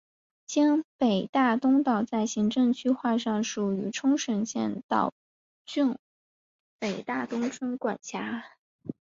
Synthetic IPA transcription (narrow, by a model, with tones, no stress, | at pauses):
t͡ɕjɑ˥npe˨˩ɪt̪a˥˩t̪ʊ˥ŋt̪ɑ˥˨˩ʊt͡sa˥˩ɪɕi˧˥ŋʈ͡ʂɤ˥˧ŋt͡ɕʰy˥xwa˥˧ʂɑ˥˩ŋʂu˨˩y˧˥ʈ͡ʂʰʊ˥ŋʂə˨˩nɕjɛ̰˥˧nt̪ɑ̰˥˩ʊ | t͡ɕy˥˩n | pe˨˩ɪt̪a˥˩t̪ʊ˥ŋʈ͡ʂʰwə˥nkwa˨˩nt͡ɕʰja˧˥